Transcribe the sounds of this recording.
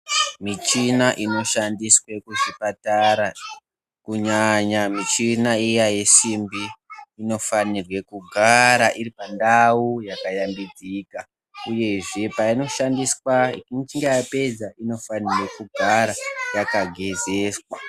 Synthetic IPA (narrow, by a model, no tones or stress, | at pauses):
mit͡ʃinaʔino̞ʃandiswekuʐipataɾa | kuɲaɲamit͡ʃinaijaje̞simbiːno̞fanirwe̞kuɡʱaɾaʔiripandaujakajambid͡zika | uje̞ʐe̞paino̞ʃandiswaikint͡ʃiŋɡejape̞d͡zaino̞fanirwekuɡʱaɾajakaɡʱe̞ze̞swa